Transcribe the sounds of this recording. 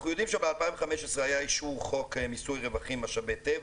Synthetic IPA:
χnujo̞d̪imʃabealpainveχameʃesʁeajaiʃuχo̞kmisujʁevaχimaʃabet̪ev

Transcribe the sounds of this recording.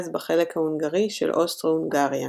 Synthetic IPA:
zbaχe̞lekhahunɡaʁiʃḛlʔost̪ʁounɡaʁja

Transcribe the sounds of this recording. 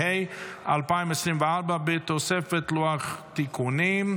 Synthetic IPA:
eja̰lpaimesʁimveaʁbabet̪osefet̪luaχt̪ikʰunim

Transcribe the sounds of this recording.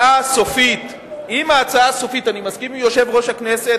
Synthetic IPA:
aso̞fit̪ | imaːt͡saaso̞fitanimazkimjo̞ʃe̞vʁo̞ʃhakne̞se

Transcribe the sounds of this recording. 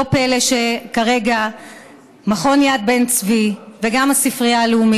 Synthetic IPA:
opeleʃekaʁe̞ɡa | maχo̞njad̪̚bent͡sviveɡamasifʁiaːleumi

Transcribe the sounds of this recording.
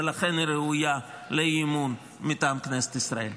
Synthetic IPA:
elaχe̞nɾeuja | leimun | mit̪aːmkneset̪isɾa̰e̞̰l

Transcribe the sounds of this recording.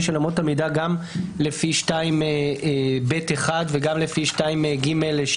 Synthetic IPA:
ʃelamot̪amidaɡamlefiʃtaimebeteχad̪veɡamlefiʃtaimɡimelʃ

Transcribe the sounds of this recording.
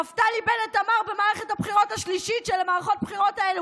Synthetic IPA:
aftalibenetamaʁbemaːʁeχethabχiʁo̞thaʃliʃitʃelamaːʁaχo̞t̚bχiʁo̞taelu

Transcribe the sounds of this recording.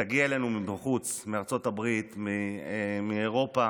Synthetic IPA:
aɡiaelenumibaχut͡smeaʁt͡so̞tabʁit̪mimieʁo̞pa

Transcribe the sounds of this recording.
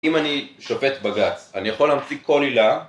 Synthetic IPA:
imaniʃofe̞t̪baɡat͡sanijaχoleːmt͡sikʰːo̞lila

